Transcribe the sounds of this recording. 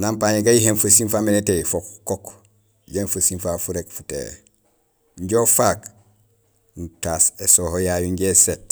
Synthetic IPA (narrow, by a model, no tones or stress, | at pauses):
nampaːɲeɡajiɦenfəsinfamenetefokkːok | ɟenfəsinfafuɾekfutḛː | ɲɟofak | ntasesoːhojajuɲɟeset